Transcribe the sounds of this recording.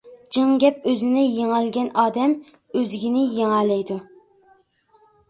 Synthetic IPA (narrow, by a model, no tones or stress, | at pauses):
d͡ʒɨŋɡʲɛp̚øzɪnɪjeŋælɡʲɛnɑːd̪ɛm | øzɡʲinɪjeŋælɛjd̪u